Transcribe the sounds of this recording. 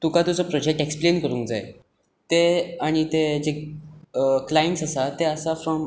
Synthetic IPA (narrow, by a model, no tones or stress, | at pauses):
t̪ukat̪ut͡səpɾɔd͡ʑek̚ʈeksplenkəɾũːŋkd͡za̰e | t̪eaɽ̃it̪ed͡ze | klaeɳʈsasat̪eəsafɾɔm